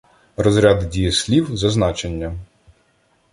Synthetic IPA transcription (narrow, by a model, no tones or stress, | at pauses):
rɔzɾʲad̪dʲijɐsʲlʲiwzɐznɑt͡ʃenʲːɐ